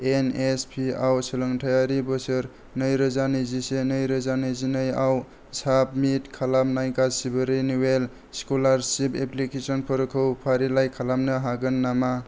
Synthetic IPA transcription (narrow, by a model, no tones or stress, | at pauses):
enespʰiawsɯlɯŋtʰajaɾibɔsɯɾ | nɯjɾɯzanɯjzisenɯjɾɯzanɯjzinɯjaw | sap̚mitkʰalamnajkasibɯɾiniwel | skolaɾsipʰeplikesɔnpʰɔɾɯkʰɯwpʰaɾilajkʰalamnɯɦaɡɯnːama